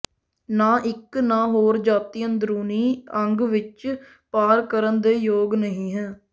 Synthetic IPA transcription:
nãːʔɪknãːɦoːɾd͡ʒaːt̪ijənd̪ɾuːniːəŋɡʋɪt͡ʃ | paːɾkəɾənd̪eːjoːɡnəɦĩːɦɛ̃ː

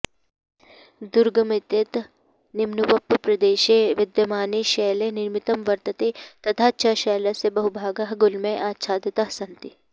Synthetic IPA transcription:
d̪uɾɡɐmit̪jɐt̪ | nimnuʋɐpːpɾɐd̪eːʃeːʋɪd̪jɐmaːniʃeːleːniɾmit̪ɐmʋɐɾt̪ɐt̪eːt̪ɐt̪ʰaːʃʰaːʃeːlɐsebɐɦubʱaːɡɐɦɐɡulmẽʔaːtːʃʰaːd̪jɐt̪ɐɦsɐnt̪i

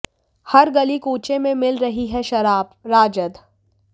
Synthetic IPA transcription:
hɐɾɡɐlikuːt͡ʃemẽmɪlɾɐɦiɦɛʃɐɾaːbɾaːd͡ʒəd̪

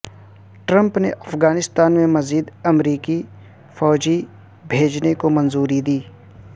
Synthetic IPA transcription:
ʈɾə̃mpneʔɐfɡaːnɪst̪aːnmẽmɐziːd̪ɐmɾiːki | fɔːd͡ʒi | bʱeːd͡ʒnekomɐ̃nzuːɾid̪iː

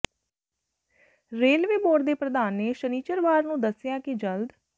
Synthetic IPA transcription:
ɾeːlʋeːboːɽd̪eːpɾəd̪aːnːeːʃəniːt͡ʃəɾʋaːɾnũːd̪əsɪjaːkɪd͡ʒəld̪

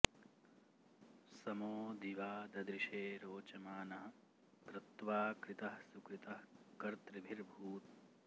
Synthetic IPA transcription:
sɐmoːd̪iʋaːd̪ɐd̪ɾiʃeːɾoːt͡ʃɐmaːnɐɦɐ | kɾɪt̪ʋaːkɾit̪ɐɦsukɾit̪ɐhkɐɾt̪ɾibʱiɾbʱuːt̪̚

